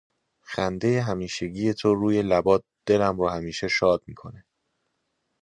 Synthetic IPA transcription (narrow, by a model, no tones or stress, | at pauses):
xænd̪e̞jeɦæmiːʃe̞ɟiːje̞t̪ʰoɾuːje̞læbɒːt̪̚ | d̪̥e̞læmɾɔːhæmiːʃe̞ʃɒːd̪miːkʰo̞ne